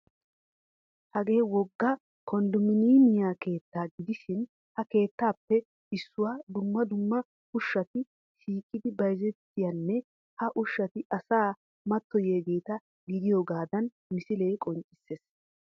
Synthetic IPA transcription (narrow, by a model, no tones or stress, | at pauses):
hɐɡe̞ːwɔɡːɐ | kʰɔnd̪ʊmɪniːmɪjaːke̞ːt̪ːaːɡɪd̪ɪʃɪn | hɐke̞ːt̪ːaːpːɛ | ɪsːʊwaːd̪ʊmːɐd̪ʊmːɐ | ʊʃːɐt̪ɪ | ʃiːkʼːɪd̪ɪbɐjzɛt̪ːɪjɐnːɛ | hɐʔʊʃːɐt̪ɪʔɐsaː | mɐt̪ːɔjeːɡe̞ːt̪ɐ | ɡɪd̪ɪjoːɡaːd̪ɐn | mɪsɪle̞ːkʼɔnt͡ʃʼɪ̥sːeːs